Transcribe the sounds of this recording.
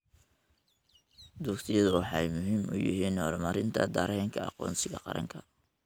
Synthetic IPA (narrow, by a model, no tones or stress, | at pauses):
d̪uːkt̪ʰɪjɐðʊwɑħɑɛjmʊɦimʊ̰jɪ̰ɦiːnhɔ̰ːɾmɐɾɪnt̪ʰɐ̰d̪ɐːɾɛɛŋkʰɐɑ̰qɔ̰ːnsɪɣɐ̰qɑ̰ɾɐ̰ŋkʰɐ